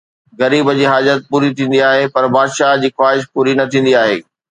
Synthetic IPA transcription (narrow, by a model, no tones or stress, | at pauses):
ɣɐɾiːbəd͡ʑiːɦaːd͡ʑət̪̚puːɾit̪ʰĩːn̆d̪iaːɦepɐɾbaːd̪ʃaːɦd͡ʑiːxwaːɦɪʃpuːɾinɐt̪ʰĩːn̆d̪iaːɦḛː